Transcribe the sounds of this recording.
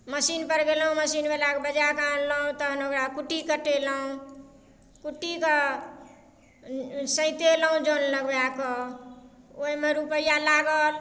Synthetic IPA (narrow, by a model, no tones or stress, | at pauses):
məsinpəɾɡelɦũməsinbelakebəd͡ʒakãnləɦũt̪əɦnokɾakuʈikəʈeləɦũ | kuʈikə | sə̃ɪ̃t̪elɦũd͡ʒonləɡjakə | oimeɾupəjalaɡəl